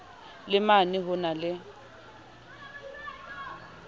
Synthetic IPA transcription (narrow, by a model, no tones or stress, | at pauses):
lɪmanɪɦʊnalɪ